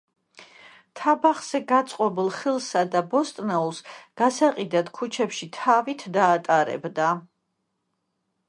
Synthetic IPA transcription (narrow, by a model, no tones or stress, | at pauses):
t̪ʰabaχz̥ɛɡat̪sʼqʼɔbilˠχilˠsad̪abɔst̪ʼnɛulˠsɡ̥asaqʼid̪at̪kʰut͡ʃʰɛpʃit̪ʰavit̪ʰd̪aːt̪ʼaɾɛ̰bd̪a